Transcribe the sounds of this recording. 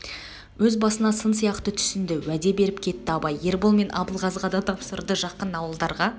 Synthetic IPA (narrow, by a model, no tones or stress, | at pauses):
wɵzbɑsənɑsənsijɑqt̪ət̪ʰʏ̥sɪnd̪ɪwæd̪e̞be̞ɾɪpkʲʰe̞t̪ːɪɑbɑjːe̞ɾbolˠme̞nʔɑ̰bəlˠʁɑzʁɑd̪ɑt̪ʰɑpsəɾd̪əʒɑqənɑwəlˠd̪ɑɾʁɑ